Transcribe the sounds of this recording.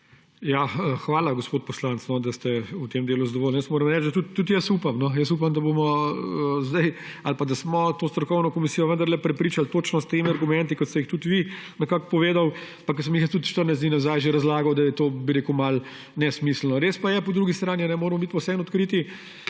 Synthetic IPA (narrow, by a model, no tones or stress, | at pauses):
jaəxʋaːlaɡospoːt̪̚pɔslant̪snɔd̪ɐst̪ɛut̪emd̪eːluzad̪ɔʋoːlnjəsmoːɾəmɾɛt͡ʃd̪ɐt̪ut̪ːut̪jəsupamnɔjəsupamd̪ɐbomɔəzd̪aj | alpad̪asmɔt̪oːst̪ɾɔkɔwnɔkɔmisijɔʋənd̪ɐɾlɛpɾɛpɾiːt͡ʃalt̪oːt͡ʃnɔst̪eːmiɐɾɡumɛ̃nt̪ikɔt̪st̪ɛixt̪ut̪ʋi | nɛkakpɔʋeːd̪aw | pakːɐs̬əmjixjəst̪ut̪ʃt̪əɾnajzinazajʒeɾɐzlaːɡɐwd̪ɐjɛt̪oːbiɾekumal | nɛsmisl̩nɔɾeːspajɛpɔd̪ɾuɡist̪ɾaːninɛmoːɾmɔbit̪pɔwsɛnɔt̪kɾiːt̪i